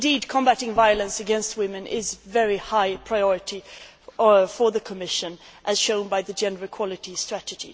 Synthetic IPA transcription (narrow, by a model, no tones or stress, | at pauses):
ndid̚kʰɔ̃mbæɾɪ̃ŋvaɪələ̃nsɨɡɛ̃nst̚wɪ̃mɨ̃nʔɪzvɛɹihaɪpʰɹ̥aɪɔɹɨɾi | fə˞ðɨkʰəmɪʃɨ̃nʔɨz̥ʃõʊ̃nbaɪðɨd͡ʒɛ̃ndə˞ə˞kʰw̥ɑlˠɨɾistɹ̥ætɨd͡ʒḭ